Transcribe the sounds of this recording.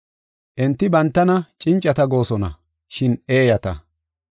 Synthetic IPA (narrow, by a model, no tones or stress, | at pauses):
ʔɛnt̪ːɪbɐnt̪ːɐnɐt͡ʃʼɪnt͡ʃʼːɐt̪ɐɡo̞ːsɔnɐ̰ | ʃɪneːjɐt̪ɐ̰